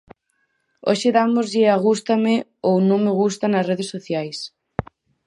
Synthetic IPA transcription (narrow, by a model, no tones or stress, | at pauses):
o̰ʃɪðamozʎɪaɣ̞ust̪amɪownõŋmeɣust̪ɐnɐsreðesːoθjajs